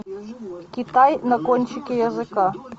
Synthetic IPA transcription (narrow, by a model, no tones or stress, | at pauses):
kʲit̪ajnɐkɔnʲt͡ʃikʲijɐzɨka